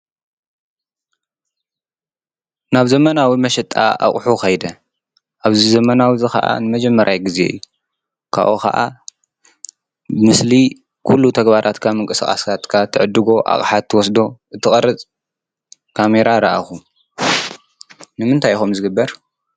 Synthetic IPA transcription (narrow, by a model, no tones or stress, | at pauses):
naβzɐmɐnawimɐʃɛt̪ʼa̰a̰χʼħukɐjd̪ɐ | ʔaβzizɐmɐnawizɨxɐ̰ʔa̰nɨmɐd͡ʒɛmːɐɾʔajɡɨze̞̰ɨjːu | kʰa̰ʔokɐ̰ʔa | bɨmɨsli | kʰulːut̪ʰɐɡbaɾʔat̪kʰamɨŋkʼɨsxʼa̰skʰat̪kʰat̪ʰɨʕɨd̪ːɨɡo̞ʔa̰χʼħat̪ʰːɨwɔs̬d̪o̞ʔɨt̪ʰːɨxʼɐɾɨt͡sʼ | kʰame̞ɾaɾa̰ʔaxu | nɨmɨnt̪ʰajxomzɨɡɨbːɐɾ